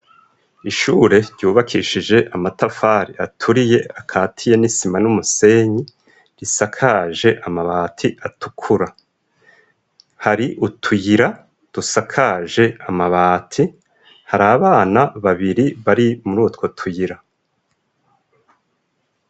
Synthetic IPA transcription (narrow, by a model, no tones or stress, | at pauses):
iʃuːɾe̞ɾɟuːβakʰiʃid͡ʒe̞ʔamatafaɾiatʰuɾije̞akʰaːtʰije̞nisimanumuse̞ɲi | ɾisakʰaʒe̞ʔamaβaːtʰiʔatʰukʰuɾa | haɾiʔutʰujiɾa | d̥usakʰaʒe̞amaβaːtʰi | haɾaːβaːnaβaβiɾiβaɾimuɾuːtko̞tʰujiɾa